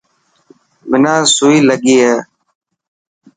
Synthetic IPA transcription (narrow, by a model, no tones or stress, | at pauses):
ʋɪnãːsuːiːləɠiːɦɛː